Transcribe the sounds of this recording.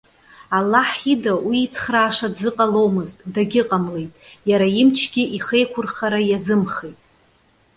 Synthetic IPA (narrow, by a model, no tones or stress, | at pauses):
alːaħidawiːt͡sʰχraːʂadzɨqʼalo̞wmɨztʼdaɡʲɪqʼamle̞jtʼjaɾaimt͡ʃʰɡʲɪʔiχe̞jkʷʰʊrχaɾajazɨmχejtʼ